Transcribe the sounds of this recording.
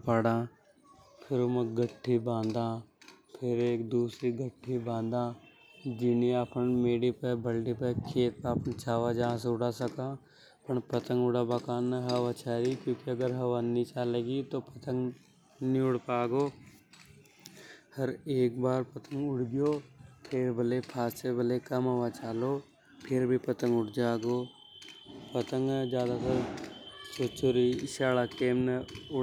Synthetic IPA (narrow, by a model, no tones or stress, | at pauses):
paɽãː | pʰɪɾomə̃ɡəʈʰːibãːnd̪ãːpʰɪɾeːkd̪uːsɾiɡəʈʰːibãːnd̪ãː | d͡ʒɪniapənmeːɽipebʱɐlɖipekʰeːt̪̚peəpənt͡ʃaːʋad͡ʒaãs̬ʊɽasɐkãː | pəɳpɐt̪ə̃ŋɡʊɽabakaːnːaɦɐʋat͡ʃʰaːɾikjõːkiɐɡəɾɦɐʋanit͡ʃaːleːɡit̪opɐt̪ə̃ŋɡ | niʊɽpaːɡoː | hɐɾeːkbaːɾpɐt̪ʰə̃ŋɡʊɽɡɪjoːt̪ʰeːɾbʱəlepʰaːst͡ʃebəlekɐmɦɐʋat͡ʃaːloː | pʰɪɾbʱipɐt̪ə̃ŋɡʊɽd͡ʒaːɡoː | pɐt̪ə̃ŋɡd͡ʒjaːd̪at̪ɐɾsoːt͡ʃoɾiʃaːɭakeːmnɐʊ